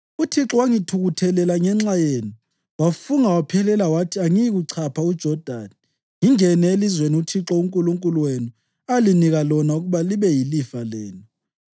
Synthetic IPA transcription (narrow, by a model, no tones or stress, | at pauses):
utʰiǁɔwaŋitʰuɣutʰɛlɛlaŋɛŋ͡ǁajeːnu | wafuŋawapʰɛlɛlawatʰiaŋijiɣuǀʰapʰaud̥ʒ̥ʱɔd̥ʱa̰ːni | ŋiŋɛnɛelizweniutʰiǁɔuŋkʼuluŋkʼuluwenu | aliniɣalɔnauɣuβaliβɛjilifalɛːni